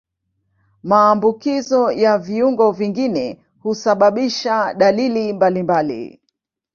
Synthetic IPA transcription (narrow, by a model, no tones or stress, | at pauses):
maːmbukizɔjaviuŋɡɔviŋɡinɛ | husaɓaɓiʃaɗalilimbalimbalḭ